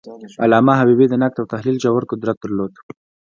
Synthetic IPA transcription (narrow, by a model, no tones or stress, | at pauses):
a̰lɑːmaɦabibid̪ənak̚t̪awt̪ahlild͡ʒawaɾkʊd̪ɾat̪̚d̪əɾlod̪